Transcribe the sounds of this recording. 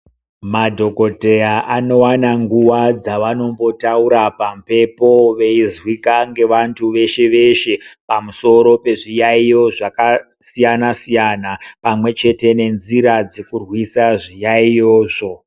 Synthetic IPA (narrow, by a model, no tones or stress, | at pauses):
madʱo̞ko̞te̞jaʔano̞wanaŋɡuʋad͡zaʋano̞mbo̞tauɾapampe̞po̞ʋe̞izwikaŋɡe̞ʋantʰuʋe̞ʃe̞ʋe̞ʃe̞pamuso̞ɾo̞pe̞ʐijaijo̞ʐaka | sijanasijanapamwe̞t͡ʃe̞te̞ne̞nziɾad͡zekurwisaʐijaijoːʐo̞